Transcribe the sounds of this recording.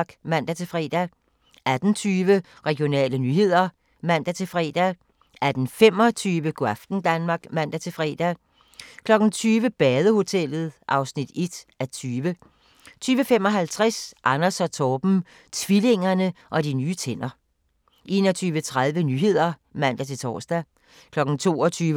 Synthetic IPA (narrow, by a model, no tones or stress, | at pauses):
ɡ̥mæn̰d̥æt͡sʰe̝fʁɛ̰ːd̥æ | ʔæd̥n̩t͡sʰyːʋə | ʁɛɡ̥ijo̝nɛ̰ːlənyːhe̝ð̞̰ˠɐ | mæn̰d̥æt͡sʰe̝fʁɛ̰ːd̥æ | æd̥n̩fem̰ɒ̽t͡sʰyːʋəɡ̥oæfd̥n̩d̥ænmɑ̈ːɡ̥mæn̰d̥æt͡sʰe̝fʁɛ̰ːd̥æ | kʰlɒ̽ɡ̥n̩t͡sʰyːʋəb̥ɛːð̞ˠəho̝t͡sʰel̰ð̞̩ˠʔɑ̈ʊsnid̥e̝d̥æt͡sʰyːʋə | t͡sʰyːʋəfem̰ɒ̽ɦælt͡sʰʁasʔɑnɐsɒt͡sʰɒːb̥m̩ | t͡sʰʋile̝ŋɐnəʔɒ̽dinyːt͡sʰen̰ɐ | ʔe̝ːnɒt͡sʰyːʋət͡sʰʁað̞ˠʋənyɦe̝ð̞̰ˠɐ | mæn̰d̥æt͡sʰe̝lt͡sʰɒ̰ːsd̥æ | kʰlɒ̽ɡ̥n̩t͡sʰo̝̰ːɒt͡sʰyːʋə